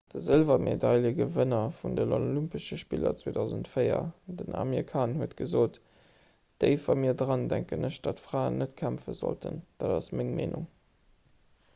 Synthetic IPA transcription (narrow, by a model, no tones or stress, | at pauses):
d̥əzəlvɐmʔedɑɪljəɡəvənɐfundənolympəʃəʃpilɐ̰t͡swoːdɑʊzəntfəɪɐ̰dənʔa̰mikʰaːnhuətɡ̥əzoːt | d̥əɪfɐmiːɐdʁɑndæŋkənəɕd̥ɑtfʁaːənːətkʰæmfə̰zo̰ltʰənd̥aːdɑsmɪŋmeːnuŋ